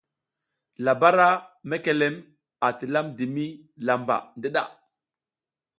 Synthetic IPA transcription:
la˨ba˦ɾa˦me˦ke˨le˦m | a˨ti˨la˦mdi˨mi˦la˨mba̰˨ndi˦ɗa˨

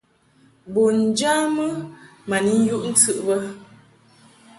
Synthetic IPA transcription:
bo˨n̩˨d͡ʒa˦mə˦ma˨ni˦n̩˦ju˦ʔn̩˦t͡sɨ˦ʔbə˦

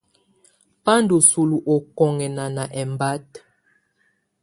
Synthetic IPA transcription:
pa˦ndo˨su˨lu˨ʔo˨kɔ˨ŋɛ˨na˨na˨ʔɛ˨mba˦t

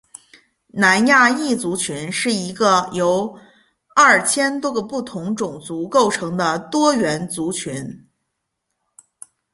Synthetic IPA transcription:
na˧˥nja˥˧i˥˩t͡su˧˥t͡ɕʰy˧˥nʂɻ̩˥˩i˧˥ɡə˧jo˧˥ʊ | ɐ˥˩t͡ɕʰjɛ˥nt̪wɔ˥ɡə˧pu˥˩t̪ʰʊ˧˥ŋʈ͡ʂʊ˨˩ŋt͡su˧˥ko˥˩ʊʈ͡ʂʰɤ˧˥ŋd̪ə˧t̪wɔ˥ɥɛ˧˥nt͡su˧˥t͡ɕʰy˧˥n

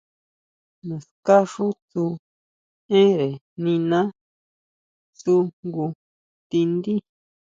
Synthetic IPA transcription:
nã˨ska˦ʂu˦t͡su˧ | ẽ˦ɾe˨ | nĩ˧nã˦ | t͡su˧ɡu˧ | t̪i˧nd̪i˦

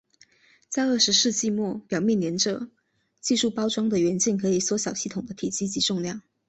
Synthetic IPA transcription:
t͡sa˥˧ɪə˥˩ʂɻ̩˧˥ʂɻ̩˥˧t͡ɕi˥˧mwɔ˥˩pjɑ˨˩ʊmjɛ˥˩nljɛ˧˥nʈ͡ʂɤ˨˩ | t͡ɕi˥˧ʂu˥˩pɑ˥ʊʈ͡ʂwɑ˥ŋd̪ə˨ɥɛ˧˥nt͡ɕi˥˩nkʰɤ˧˥i˨˩swɔ˧˥ɕjɑ˨˩ʊɕi˥˩t̪ʰʊ˨˩ŋd̪ə˦t̪ʰi˨˩t͡ɕi˥t͡ɕi˧˥ʈ͡ʂʊ˥˧ŋljɑ˥˩ŋ

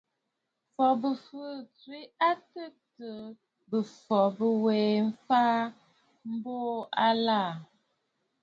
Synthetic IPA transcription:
fɔ˨bə˨fə˦t͡swi˦a˦tə˦tə˨ | bə˨fɔ˨bə˦weː˨m̩˦faː˦ | m̩˦boː˦a˦la˦˨

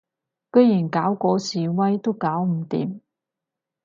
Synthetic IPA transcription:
kɵ˥˧ɥjiː˨˩nkaː˨˥wkʷɔː˨˧siː˨˩wɐ˥jt̪o˥wkaː˨˥wm̩˨˩˦t̪ḭː˨˥m

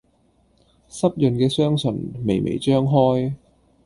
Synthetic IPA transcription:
sɐ˥p̚jɵ˨˧nkɛː˧sœː˥ŋsɵ˨˩nme˨jmʔḛ˨˩jt͡ʃœː˥ŋɦɔː˥j

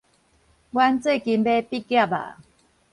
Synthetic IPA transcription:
wa˦nt͡swe˥˨ki˧nbe˦pi˦kja˥˨ba̰˨˩

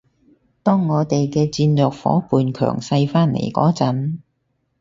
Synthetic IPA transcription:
t̪ɔː˥ŋːɔː˨˧t̪e˨jkɛː˧t͡siː˧nlœː˨k̚fɔ̰ː˨˥puː˨nkʰœ̰ː˨˩ŋsɐ˧jfaː˥nlḛ˨˩jkɔ̰ː˨˥t͡sɐ˨˥n

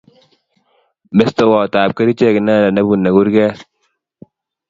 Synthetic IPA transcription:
mɪ˦st̪o˨wɔː˨t̪aː˨p̚kɐ˦ɾi˦t͡ʃɛ˦kna˦˨la˨na˦bɡu˨nːa˨ɡu˦ɾɡɛː˦

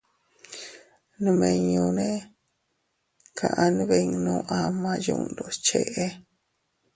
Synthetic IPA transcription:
nũ˧mẽ˧ɲũ˧nẽ˦ | kʰã̰˧˨ʔã˧nĩ˧˦βe˧ɲ˧nũ˦ʔa˧mã˧jṵ̃˧˨nd̪o˧˨t͡ʃe˧˨ʔe˦

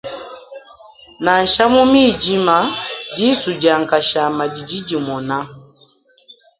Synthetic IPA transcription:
na˨n˨ʃa˦mu˦mi˦˨d͡ʒi˦ma˦di˦su˨d͡ʒa˨ŋ˨ka˨ʃa˨ma˨d͡ʒi˨d͡ʒi˦d͡ʒi˨mɔ˨na˦

